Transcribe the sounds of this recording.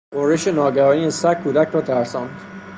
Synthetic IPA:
ɢoɾeʃenɒːɡæɾɒːniesækʰːuːd̪æcʰɾɒːt̪ʰæɾsɒːnd̪̥

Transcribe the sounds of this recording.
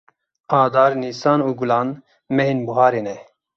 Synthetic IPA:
aːd̪aːɾniːsaːnuːɡulaːn | mɛɦeːnbuɦaːɾeːnɛ

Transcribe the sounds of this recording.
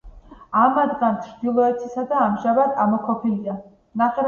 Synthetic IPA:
amad̪ɡant͡ʃʰɾd̪ilˠɔɛt̪ʰisad̪aːmʒabat̪ʼamɔkʰɔpʰilia | naχɛ

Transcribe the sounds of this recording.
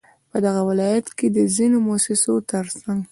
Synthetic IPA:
pəd̪aɣawɪlɑjat̪ked̪əzinomoasɪsot̪əɾsaŋɡ

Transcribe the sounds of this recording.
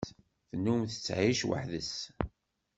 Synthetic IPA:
θnːumθət͡sːʕiʃwə̰ħðəs

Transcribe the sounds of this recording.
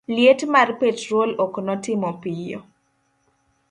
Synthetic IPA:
ljetmarpetɾoloknɔtɪmɔpɪjɔ̰

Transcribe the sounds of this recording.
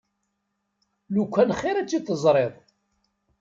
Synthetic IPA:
lukʷːænχeɾæt͡sːit̪ːəzˤɾˤeðˤ

